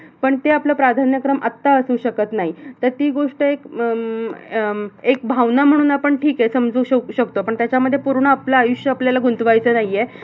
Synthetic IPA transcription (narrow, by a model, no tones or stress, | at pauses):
pəɳt̪eapləːpɾad̪ʱanjəkɾəmʔat̪ːaəsuːɕəkət̪naɦit̪əɾt̪iːɡoʂʈəek | ek̚bʱaʋnam̤əɽ̃uːnapəɳʈʰiːkesəmd͡zuːɕəɕəkt̪opəɳt̪jat͡ɕaməd̪ʱːjepuɾɳəaplaːjuɕjəapljalaɡʱunt̪ʋajt͡sənaɦije